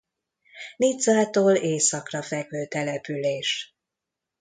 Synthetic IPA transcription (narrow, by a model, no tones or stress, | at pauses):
nid̪zaːt̪oːleːsɒkrɒfɛkløːt̪ɛlɛpyleːʃ